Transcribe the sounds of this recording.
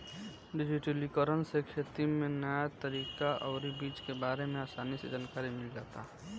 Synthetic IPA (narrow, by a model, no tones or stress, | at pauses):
ɖɪd͡ʒɪʈəlikəɾənsekʰeːt̪imẽnəjat̪ɐɾiːkaʔɔʊɾibiːt͡ʃkebaːɾemẽaːsaːnised͡ʒaːnkaːɾimɪld͡ʒaːt̪aɦɛ